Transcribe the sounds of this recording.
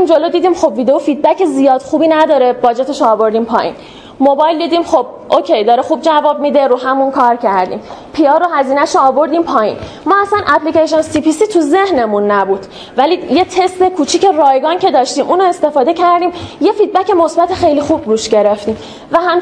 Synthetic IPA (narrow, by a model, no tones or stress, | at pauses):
nd͡ʒo̞lod̪iːd̪imxo̞bvid̪eofid̪̚bæcezijɒːd̪xuːbinæd̪ɒːɾeb̥ɒːd͡ʒet̪ʰeʃoːbo̞ɾd̪iːmpʰɒːjḭːn | mobɒjld̪iːd̪iːmχob̚ | ʔocʰʲejd̪ɒːɾexuːb̚d͡ʒævɒːb̚mid̪e̞ɾuːɦæmunkʰɒːɾcʰæɾd̪ḭːmpʰiɒɾohæziːnæʃoːbo̞ɾd̪iːmpʰɒːjḭn | mɒːæsænʔæpliceʃonsipʰisiːt̪ʰuze̞hne̞munːæbuːd̪̥ | vælijet̪ʰe̞st̪e̞kʰuːt͡ʃʰiːce̞rɒːjɡɒːncʰe̞d̪ɒːʃt̪iːmʔuːnoe̞st̪e̞fɒːd̪e̞cʰæɾd̪iːmje̞fid̪̚bæce̞mo̞sbæt̪ʰexe̞jlixubɾuːʃɟe̞ɾeft̪iːm | væɦæm